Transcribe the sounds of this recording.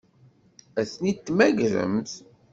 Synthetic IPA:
æsnit̪ːmæɡɾə̰mθ

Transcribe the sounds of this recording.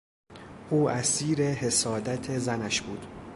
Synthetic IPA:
ʔuːʔæsiːɾehe̞sɒːd̪æt̪ʰe̞zænæʃbuːd̪̥

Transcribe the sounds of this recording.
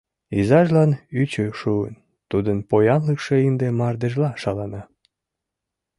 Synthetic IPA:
izɑʒlɑnyt͡ɕøʃuə̰n | t̪ud̪ənpojɑnləkʃeimd̪emɑrd̪eʒlɑʃɑlɑnɑ

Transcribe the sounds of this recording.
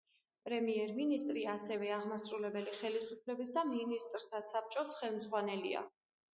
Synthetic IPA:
pʼɾɛmiɛɾminist̪ʼɾiasɛvɛaʁmasʼɾulɛbɛliχɛlisupʰlɛbis̬d̪aminist̪ʼɾt̪ʰasap̚t͡ʃʼɔsχɛlˠmzʁwanɛlḭa̰

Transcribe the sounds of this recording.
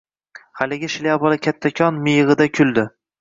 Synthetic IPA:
halɪɡʲɪʃɪliabɒlˠakʲʰat̪ʰːakʲʰɒnmɪjʁɨd̪akʲʰʊlˠd̪ɪ

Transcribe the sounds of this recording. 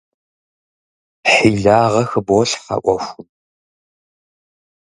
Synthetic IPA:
ħiːɮaːʁɐxɨbɔɬħɐ̰ʔʷʼɔxʷʊm

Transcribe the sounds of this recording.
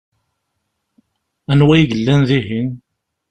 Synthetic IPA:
ænwæjʝəlːænðiɦin

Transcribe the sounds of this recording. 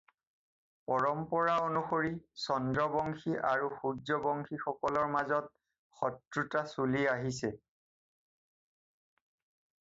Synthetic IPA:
pɔɹɔmpɔɹaonuxoɹisɔndɹɔbɔŋxiʔaɹuxuzɔbɔŋxʰixɔkɔlɔɹmazɔt̚ | xɔtɹutasuliaɦisɛ

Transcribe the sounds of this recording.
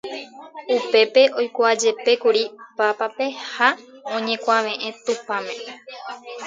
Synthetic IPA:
upe̞pe̞ʔo̞jkʷad͡ʒe̞pe̞kuɾipapape̞haõ̞ɲẽ̞kʷaʋẽ̞ʔẽ̞t̪upãmẽ̞

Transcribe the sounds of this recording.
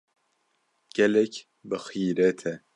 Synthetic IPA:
ɡ̥ɛlɛk | bɨxiːɾɛt̪ʰɛ

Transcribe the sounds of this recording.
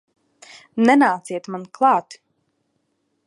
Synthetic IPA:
nɛnaːt̪siɛt̪manklˠɑːt̪

